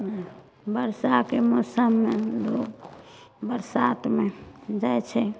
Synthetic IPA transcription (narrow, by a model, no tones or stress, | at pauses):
bəɾsakemosəmːeloːk | bəɾsat̪med͡ʒaet͡ʃʰɛ